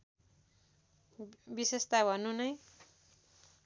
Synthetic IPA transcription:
bisest̪abʱʌnunʌj

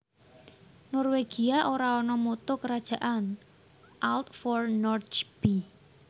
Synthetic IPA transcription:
nɔrweɡ̥iaʔoɾaɔnɔmot̪ɔkəɾad̥ʒ̥ä̤ʔan | ʔalt̪fɔrnɔrt͡ʃb̥i

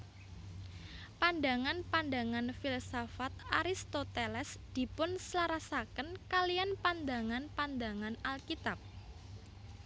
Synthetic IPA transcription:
pand̪a̤ŋanpand̪a̤ŋanfilasofat̪̚aɾist̪ot̪elɛsd̪̥i̤pʊnslaɾasakənkalijanpand̪a̤ŋanpand̪aŋanalkit̪ap̚

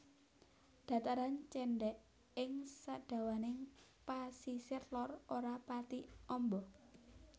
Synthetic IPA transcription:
d̪̥ä̤t̪aɾant͡ʃɛɳɖɛʔ | ɪŋsaʔɖ̥ä̤wanɪŋpasisɪrlɔroɾapat̪iɔmbɔ

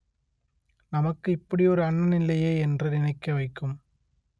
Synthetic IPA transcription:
nɐmɐkːɯɪpːɐɽiɔɾɯɐɳːɐnɪlːɐjeːɛndrɐɾɪnɐɪkːɐʋɐɪkːɯm

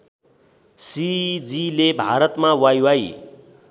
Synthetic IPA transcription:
sid͡zilebʱaɾʌt̪mawajwaj

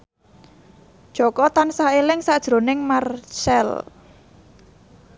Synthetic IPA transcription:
d̥ʒ̥ɔ̤kɔt̪ansaelɪŋsad̥ʒ̥ɾo̤nɪŋmarsɛl

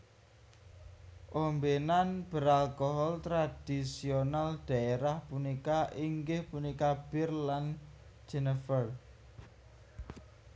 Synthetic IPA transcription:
ʔombenanb̥ə̤ɾalkɔɦɔlt̪ɾad̥isionald̪̥ä̤eɾahpunikaʔiŋɡɪhpunikab̥irlan | d͡ʒɛnəfər

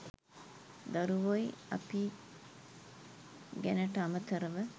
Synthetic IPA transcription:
d̪ɐɾuʋoiɐ̰pi | ɡænəʈəɐmət̪ɐɾəʋə

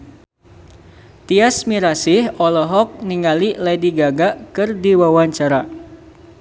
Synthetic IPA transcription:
t̪iasmiɾasɪhɔlɔɦɔk̚niŋalilɛdiɡaɡakɨrdiwawaɲt͡ʃaɾa

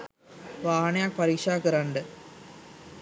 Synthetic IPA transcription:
ʋaːɳɐjak̚pɐɾiːʂaːkɨɾɐɳɖɨ

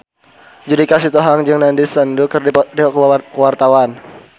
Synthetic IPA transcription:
d͡ʒudikasit̪ɔɦaŋd͡ʒəŋnandisəndukərdidikkəwart̪awan

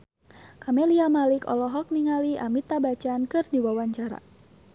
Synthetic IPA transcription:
kameliamalikɔ̰lɔɦɔk̚niŋaliʔa̰mit̪abat͡ʃankɨrdiwawaɲt͡ʃaɾa̰

